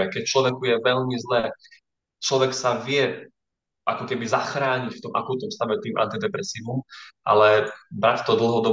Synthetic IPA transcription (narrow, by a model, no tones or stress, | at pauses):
ɛkɛcft͡ʃlɔʋɛkujɛʋɛʎmizlɛː | t͡ʃlɔʋɛksaʋɪɛ | ʔakɔkɛbizaxɾaːɲicft̪ɔmʔa̰kuːt̪nɔmst̪aʋɛt̪iːmʔa̰nt̪id̪ɛpɾɛsiːʋumʔa̰lɛbɾact̪ɔd̪l̩ɦɔd̪ɔ